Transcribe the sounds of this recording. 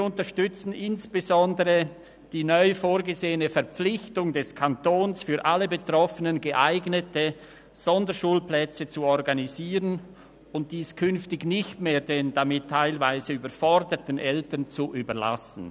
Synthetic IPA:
ʊntəʃtʏt͡sn̩ʔɪnsb̥əzɔndəʁə | d̥iːnœʏfoːɾɡəzeːənəfɛɐp͡flɪçtʊŋdɛskʰantoːnsfyːɐʔalːəbətʁɔfənənɡəʔaɪɡnətə | z̥ɔndəʃuːlplɛt͡sət͡suɔʁɡaniziːʁən | ʊnt̚d̥iːskʰʏnftɪçnɪçtmeːdeːndamɪtʰːaɪlvaɪzəyːbəfɔʁdətnʔɛltənt͡suʔyːbɐla̰sn̩

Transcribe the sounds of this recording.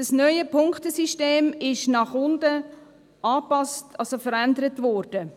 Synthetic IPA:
dɑsnœʏəpʰʊŋktəsiʃteːmɪʃnɑχʊndə | ʔɑːpɑstɑlsofəɾændəɾətʋɔrd̥ə

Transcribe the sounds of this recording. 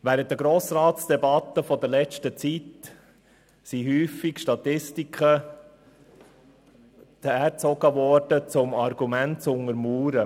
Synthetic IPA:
væːɾənt̚d̪əɡɾoːsɾɑːtsd̥ɛbɑt̪ːəfɔdəɾlɛt͡ʃtət͡sit | siɦyːfikʃtɑt̪ɪstikχə | t̪ɛɾt͡sɔɡ̥əvɔɾd̥ət͡sʊmɑɾɡ̥umæntt͡sʊŋəɾmuːɾə

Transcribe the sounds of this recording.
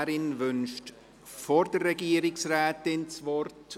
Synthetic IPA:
ɾɪnʋʏnʃt | foɾd̥ərːɛɡiəɾɪksræːtɪnt͡sʋɔrt

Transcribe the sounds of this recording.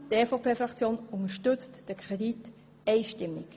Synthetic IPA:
tefopʰeːfʁɑkt͡sjoːnʊŋəʃtʏt͡std̥əkʰʁɛdit | ɛɪʃtɪmːɪk

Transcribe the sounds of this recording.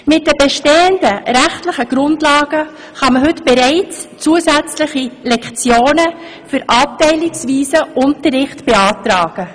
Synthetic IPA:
mɪt̚d̥ɛbɛʃteːəndəɾæχtləχəɡ̥ɾʊndlɑːɡ̥ə | χɑməɦɵtb̥eɾɛɪt͡st͡suːəsæt͡sləχilɛkt͡sjoːnə | fʏɾʔɑp̚tɛɪlɪksviːsəʔʊntərːɪχtb̥eɑːtɾɑːɡ̥ə

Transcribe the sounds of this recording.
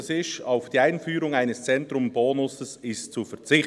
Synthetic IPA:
sɪʃaʊfd̥iːaɪnfyːɾʊŋaɪnəst͡sɛntɾʊmboːnʊsəssɪst͡sufɛt͡sɪχ

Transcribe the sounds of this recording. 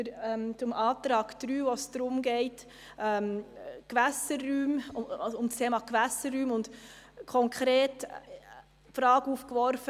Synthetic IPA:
əɾɛmt͡sʊmʔɑːt̪ɾɑːɡ̥d̥ɾyːvosd̥̪ɾʊmɡɛɪt | ʔɛːmkʋæsərːyːmʊʊmstʰeːmɑkʋæsərːyːmʊndkʰɔŋkʰχɾeːt | fɾɑːɡuːfkʋɔɾfə

